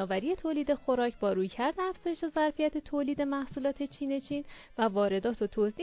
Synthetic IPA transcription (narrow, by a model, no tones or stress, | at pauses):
ɒːvæɾiːje̞t̪ʰoːliːd̪e̞xo̞ɾɒːcʰbɒːɾuːjcʰæɾd̪eæfz̥ɒːjeʃezæɾfijæt̪ʰet̪ʰoːliːd̪e̞mæhsuːlɒːt̪ʰe̞t͡ʃʰiːne̞t͡ʃʰiːnvævɒːɾe̞d̪ɒːt̪ʰot̪ʰoziː